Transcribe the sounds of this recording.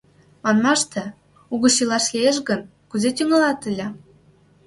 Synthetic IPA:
mɑnmɑʃt̪ĕ | uɣɤ̆ɕilɑʃlieʃ̬ɣən | kuzet̪yŋɑlɑt̪əlʲɑ

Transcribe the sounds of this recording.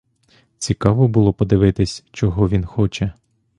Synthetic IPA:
t͡sʲikɑʋɔbʊlˠɔpɔd̪ɪʋɪt̪ɪsʲt͡ʃɔɦɔʋʲinxɔt͡ʃɛ

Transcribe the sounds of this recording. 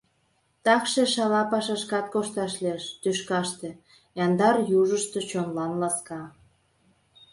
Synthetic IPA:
t̪ɑkʃeʃɑlɑpɑʃɑʃkɑt̪̚koʃt̪ɑʃleʃt̪yʃkɑʃt̪ĕ | jɑnd̪ɑrjuʒəʃt̪et͡ɕonlɑnlɑskɑ

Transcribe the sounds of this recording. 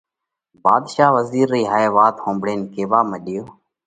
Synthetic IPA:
baːd̪ʃaːʋəziːɾːiːɦaːeːʋaːt̪hõːmbɽeːnkeːʋaːməɗɪjoː

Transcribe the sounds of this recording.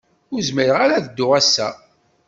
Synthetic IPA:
ʊɾzməɾəʁaɾaðəd̪ːʊʁæsːæ

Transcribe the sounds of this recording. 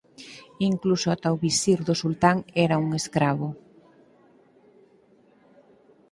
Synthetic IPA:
iŋklusoat̪awβisiɾðoʊsult̪aŋɛɾauŋeskɾaβ̞o

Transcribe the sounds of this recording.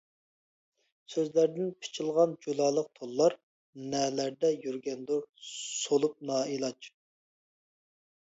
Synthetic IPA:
søzlæɾd̪ɪnpʰɪ̥t͡ʃʰilˠʁɑnd͡ʒud̪ɑːlˠəq̚t̪ʰolˠːɑɾ | nɛːlæɾd̪ɛjyɾɡʲɛnd̪uɾsolˠup̚nɑːilˠɑt͡ʃ

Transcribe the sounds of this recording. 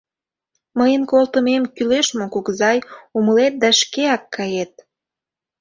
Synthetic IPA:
məjənkolt̪əmemkyleʃmokuɣzɑjuməlet̪̚d̪ɑʃkeɑkːɑjet̪̚

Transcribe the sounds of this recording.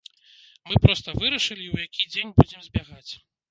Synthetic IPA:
mɨpɾɔst̪ɐvɨɾɐʂɨlʲiwjakʲid͡zʲenʲbud͡zʲɛmzʲbʲaɣat͡sʲ

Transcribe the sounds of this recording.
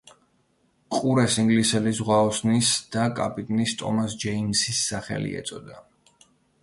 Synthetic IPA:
qʼuɾɛsiŋɡlisɛlisʁwaɔsnisd̪̥akʼa̰pʼit̪ʼnist̪ʼɔ̰masd͡ʒɛimsisːaχɛ̰lḭɛ̰t̪sʼɔd̪a

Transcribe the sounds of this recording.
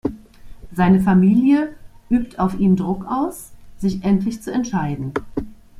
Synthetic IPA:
zaɪnəfamiːljəʔyːptʰaʊfʔiːmdʁʊkaʊsz̥ɪçʔɛntlɪçt͡suɛntʃaɪdn̩

